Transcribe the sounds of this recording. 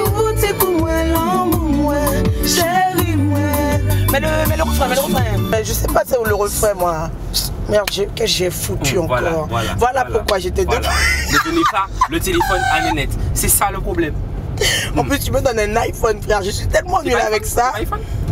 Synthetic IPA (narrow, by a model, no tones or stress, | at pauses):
vot̪ekumwɛ̃lɔ̃ɡmwɛ̃ʃɛlimwɛ̃mɛləmɛləʁəfʁɛ̃mɛfɛmɛʒəsɛpasɛuləʁəfʁɛmwa | mɛʁʒɛkɛʒɛfut̪yɑ̃kkɔʁvwalapuʁkwaʒet̪ɛd̪et̪ɛləd̪onesalət̪elefɔnalɛnɛt̪sɛsaləpχoblɛm | ɑ̃plyst̪yməd̪ɔnɛ̃naifɔnplɛʁʒəsɥit̪ɛlmɑ̃nylavɛksaf